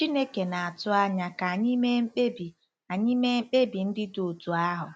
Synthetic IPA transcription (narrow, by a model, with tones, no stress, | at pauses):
t͡ʃi˦ne˦ke˨na˨a˨tʊ˦a˦ɲa˨ka˨ɲi˦me˦m̩˦k͡pe˦bi˨ | a˨ɲi˦me˦m̩˦k͡pe˦bi˨n̩˦dɪ˦do˨o˨tu˨a˦ɦʊ˨